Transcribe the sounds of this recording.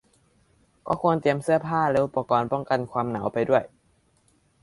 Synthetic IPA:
kɔ̰ː˥˩kʰu˧ənt̪i˧əmsɯ˥˩əpʰaː˥˩lɛ˧˥ʔu˧˩pːa˧kɔː˧npɔ˥˩ŋka˧nkʰwaː˧mna˩˦wpa˧jdu˥˩əj

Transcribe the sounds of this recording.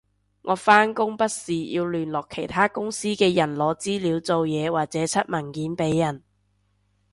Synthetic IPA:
ŋʔɔː˨˧faː˥nkʊ˥ŋpɐ˥t̚siː˨jḭː˧wlyː˨˩nlɔː˨kʰe˨˩jt̪ʰaː˥kʊ˥ŋsiː˥kɛː˧jɐ˨˩nlɔː˨˧t͡siː˥liː˨˧wt͡so˨wjɛː˨˧waː˨k̚t͡sɛː˨˥t͡sʰɐ˥t̚mɐ˨˩nkiː˨˥npe˨˥jːɐ˨˩n

